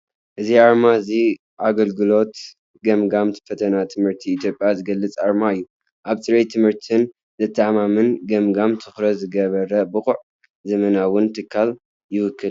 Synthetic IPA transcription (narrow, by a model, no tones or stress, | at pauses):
ʔɨziaɾmaɨzi | ʔaɡɐlɡɨlo̞t̪ | ɡɐmɡamt̪fɐt̪ʰɐnat̪ʰɨmhɨɾt̪ʰiːt̪ʰjo̞pʼjazɨɡɐlːɨt͡sʼaɾmaɨjːu | ʔaβsʼɨɾejt̪ʰɨmhɨɾt̪ʰɨn | zɨt̪ʰːaamamɨnɡɐmɡamt̪ʰɨxɾɐzɨɡɐβɐɾɐbɨxʼʊʕ | zɐmɐnawʊnt̪ʰɨkʰːal | jɪwʊkʰːɨl